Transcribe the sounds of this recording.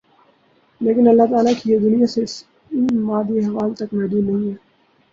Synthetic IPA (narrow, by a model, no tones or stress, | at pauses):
leːkɪnɐlːaɦt̪aːlakijed̪ʊnijases | ɪnmaːd̪iɦɐʋaːlt̪ɐkmɛɦd̪iːnːɐɦĩɦɛː